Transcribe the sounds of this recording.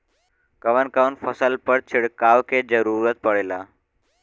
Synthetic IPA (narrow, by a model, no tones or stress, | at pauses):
kəʋənkawnfəsəlpəɽt͡ɕʰiɽkaʋked͡zəɾuɾət̪̚pəɽla